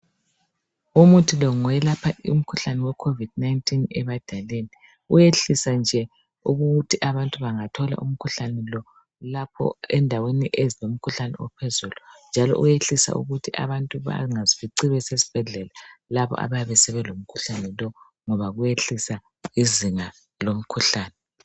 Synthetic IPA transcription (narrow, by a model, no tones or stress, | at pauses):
umutʰilɔŋɔɛlapʰaṵm̩kʰuɬanɛwɛkʰovid̥̚naintʰʼinɛ̰βad̥ʱaleni | ujeɬisand͡ʒʱɛ | uɣuɣutʰiʔaβantʼuβaŋatʰɔla̰ʔṵm̩kʰuɬanɛlɔ | lapʰɔ̰ɛndʱaweniʔezilom̩kʰuɬanɛ̰wɛ̰pʰɛzulund͡ʒʱalɔ̰ʔujeɬisa̰ʔṵɣutʰiʔa̰βantʼuβa̰ŋazifiǀiβɛsesi̥b̥ʱɛɮɛlalaβɔ̰ʔa̰βajaβɛsɛβɛlom̩kʰuɬanɛlɔ | ŋɔβaɣujeɬisa | iziŋa | lom̩kʰuɬaːnɛ